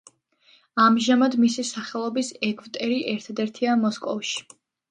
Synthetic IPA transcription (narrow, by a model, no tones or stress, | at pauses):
amʒamad̪misisaχɛlˠɔbisɛɡvt̪ʼɛɾiʔɛɾt̪ʰad̪ɛɾt̪ʰiamɔskʼɔvʃi̥